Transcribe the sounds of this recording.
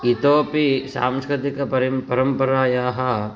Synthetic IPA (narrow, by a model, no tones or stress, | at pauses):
it̪oːpisa̰ːmskɾɪt̪ikɐpɐɾipɐɾɐmpɐɾaːjaːɦɐ